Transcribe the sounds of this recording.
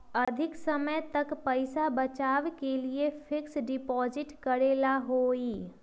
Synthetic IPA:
ɐd̪ʱɪksəməjt̪ɐkpəɪsabət͡ʃaːʋkeliepʰɪksɖɪpɔːzɪʈkəɾeːlaɦoːiː

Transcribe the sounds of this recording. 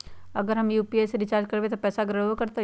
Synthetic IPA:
ɐɡəɾɦɐmjuːpieːseɾɪt͡ʃaːɾd͡ʒkɐɾbet̪opɛːsaɡɾəkɐɾt̪a

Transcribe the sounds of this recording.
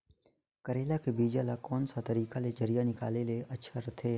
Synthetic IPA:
kəɾeːlakebiːd͡ʒalakɔːnsat̪əɾiːkaled͡ʒəɾijanɪkaːleleʔɐtːʃʰaɾɐt̪ʰe

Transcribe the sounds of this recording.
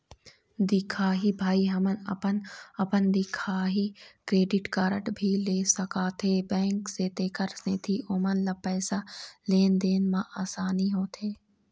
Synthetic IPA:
d̪ɪkʰaːɦibʱaːiɦɐmənəpənɐpənd̪ɪkʰaːɦikɾeːɖɪʈkaːɾəʈbʱileːsəkaːt̪ʰebɛ̃ːŋkseːt̪eːkəɾsneːt̪ʰiʔoːmənlɐpɛːsaleːnd̪eːnmãʔaːsaːniɦoːt̪ʰeː

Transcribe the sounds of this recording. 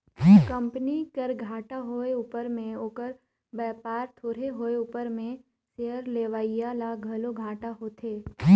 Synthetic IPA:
kə̃mpnikəɾɡʱaːʈaɦoːeuːpəɾmẽoːkəɾ | bɛːpaːɾt̪ʰoːɾeɦoːeuːpəɾmẽ | seːəɾleːʋaːijalaɡʱɐloɡʱaːʈaɦoːt̪ʰeː

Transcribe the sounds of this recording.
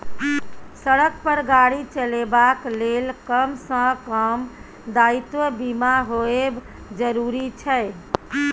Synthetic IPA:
səɽək̚pəɾɡaɽit͡ʃəlebaklelkəmsə̃kəm | d̪ait̪wəbimaɦoeb | d͡ʒəɾuɾit͡ʃʰəj

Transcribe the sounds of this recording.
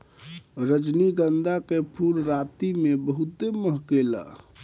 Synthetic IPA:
ɾəd͡ʒniɡənd̪akepʰuɾɾat̪imebəɦut̪eməɦkela̰

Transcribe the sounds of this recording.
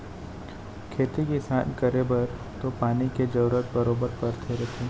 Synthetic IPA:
kʰeːt̪ikisaːnkɐɾebəɾ | t̪opaːniked͡ʒɐɾuɾət̪̚bɐɾoːbəɾkɐɾt̪ʰeɾɐt̪ʰẽ

